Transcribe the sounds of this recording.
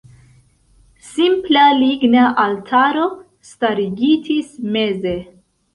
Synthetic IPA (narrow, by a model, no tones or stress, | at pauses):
simplaliɡnaʔaltʰaɾo̞ | staɾiɡitisme̞ze̞